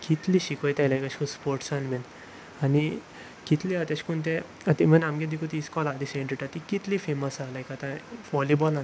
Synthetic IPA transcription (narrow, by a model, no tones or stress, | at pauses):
kit̪liɕikɔjt̪ajlajkaɕkuspoɾʈsanmɛn | ani | kit̪liat̪aɕkunt̪ẽ | at̪imənamɡẽd̪ikʰut̪iskɔlad̪isẽɳʈiʈat̪ikit̪lifeməsalajkat̪ãʋɔlibɔla